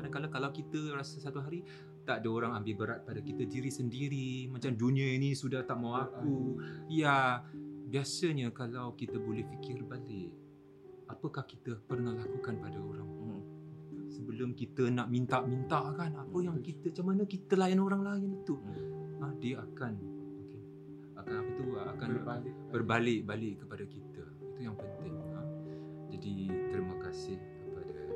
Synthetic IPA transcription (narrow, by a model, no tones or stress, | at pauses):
adakalakalawkit̪ərasasat̪uɦaɾi | t̪aʔdəoɾaŋambɪlbəɾat̪̚padakit̪ədiɾisəndiɾimãt͡ʃamdunĩainĩsudaht̪aʔmawakuja | biasəɲəkalawkit̪əbolɛhfikɪrbalɪʔk | apəkahkit̪əpərnalakukanpadaoɾaŋ | səbəlʊmkit̪ənaʔmint̪aʔmint̪aʔkanapəjaŋkit̪əat͡ʃamanəkit̪əlajanoɾaŋlaɪnit̪uadiəakanoke | akanapət̪uəʔakanb | bərbalɪʔbalɪʔkəpadakit̪ə | it̪ujaŋpənt̪ɪŋa | d͡ʒadit̪əɾimakasɪhkəpada